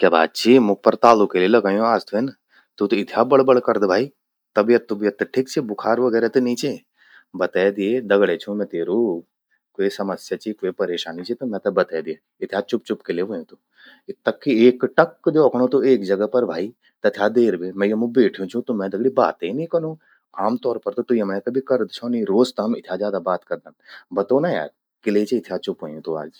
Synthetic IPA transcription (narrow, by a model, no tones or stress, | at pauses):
kʲjaːba̰ːt̪̚t͡ʃʰiːmũpɐɾt̪aːlukelelɐɡaːjũaːst̪ʰuen | t̪ut̪oɪt̪ʰjabɐɭbɐɭkɐɾd̪bʱaːi | t̪ɐbijɐt̪ːubijɐt̪ːʈʰikt͡ʃʰebʊkʰaːɾʋɐɡɛːɾet̪unĩːt͡ʃe | bɐt̪ɛjd̪ied̪ɐɡɽet͡ʃʰũmɛ̃t̪eːɾuː | koːesɐməsjat͡ʃiːkoːepɐɾeːʃaːnit͡ʃʰit̪umɛ̃t̪ɐbɐt̪eːd̪ije | ɪt̪ʰjat͡ʃʊp̚t͡ʃʊpkeleʋəjũt̪u | ɪt̪ːɐkːieːkʈɐkːd͡ʒoːkɳ̃õt̪oeːk̚d͡ʒɐɡəpɐɾbʱaːi | t̪ɐt̪ʰjad̪eːɾbeːmɛ̃jomũbeːʈʰijũt͡ʃʰũt̪omɛ̃d̪ɐɡɽiba̰ːt̪einĩkɐnũː | aːmt̪ɔːɾpɐɾt̪ot̪uiɐmnẽk̪ɐbʱikɐɾd̪t͡ʃʰonĩɾoːzt̪ɐɦɐmɪt̪ʰjad͡ʒjaːd̪abaːt̪kɐɾd̪anbɐt̪oːnaja̰ːɾ | kɪleit͡ʃʰeɪt̪ʰjat͡ʃʊpɦojũt̪oa̰ːd͡ʒ